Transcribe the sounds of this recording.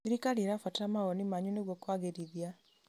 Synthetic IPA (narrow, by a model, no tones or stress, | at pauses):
iɾikaɾieɾafwatamaɣɔnimaɲuneɣwɔkwaɣeɾiðia